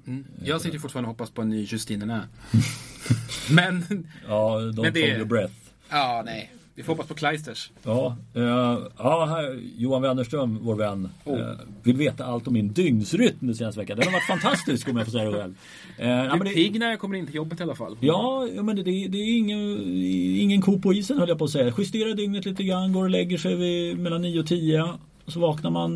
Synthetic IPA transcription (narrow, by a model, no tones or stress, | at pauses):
jɑsɪəɾfʊʈːfɑːɾanhɔpːaspʰɔɛnyːjɵst̪iːnənæ | mɛnɑːd̪ɔd̪jɔbɾɛθ | ɑːnɛjvɪfoːɾhɔpːaspʰɔkʰlajst̪əʂɑː | ɑːɦæjuːanvɛnːəʂʈɾœmvoːɾvɛn̰ː | vɪlveːt̪aalt̪ɔmːɪnd̪ʏŋnsɾʏt̪md̪ɛseːnast̪əvɛ̰kːandɛnɛhaɾvaʈːfant̪ʰast̪ɪskɔmjafosɛjadɛɧɛ̰lv | næɪmɛnd̪ɛɪɡnajakʰɔmːəɾɪnt̪əjɔbːat̪ɪalafa̰lːjɑːjuːmɛnd̪ɛd̪ɛæɾɪŋːə | ɪŋːənkʰuːpʰɔiːsənhœlːjapɔːsɛjːaɧɪst̪eːɾad̪ʏŋnət̪liːt̪əɡɾanːɡoːɾɔlɛɡːəʂɛjvɪmɛlːanːiːʊɔt̪ʰiːə | ɔsɔvɑːknaɾman